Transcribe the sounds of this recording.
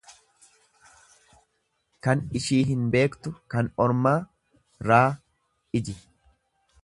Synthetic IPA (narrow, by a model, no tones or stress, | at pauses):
kɐnɪʃiːɦɪnbe̞ːkt̪ʊkɐnɔɾmaː | ɾaː | ɪd͡ʒɪ